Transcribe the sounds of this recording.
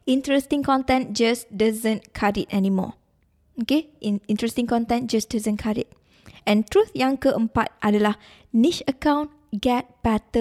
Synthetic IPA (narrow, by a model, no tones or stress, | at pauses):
ĩntɹɛstĩŋkɔ̃ntɛ̃nd͡ʒasdazə̃nkʰaditɛnimɔ̰ | okeĩntɹɛstĩŋkɔ̃ntɛ̃nd͡ʒasdazə̃nkʰaɹḭt̚ | ɛ̃ntɹuθjãŋkəʔə̃mpat̚ʔadəlah | niʃəkãw̃n | ɡɛt̚b̥ɛtə